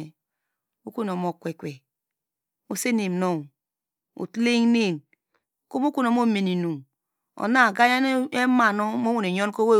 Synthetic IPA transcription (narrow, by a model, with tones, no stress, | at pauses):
e˨ | o˦ku˦no˨mo˨kʷe˨kʷe˨ | o˨se˦ne˨mno˦˨ŋ | o̰˨tle˦ŋne˦˨m˨ | ko˦mo˦ku˦no˨mo˦˨me˨ni˨nu˨m | o̰˨na˦˨ɡa˦ja˦e˦ma˨no˦mo˦wo˦ne˨ɲo˦n˦ko˦we˦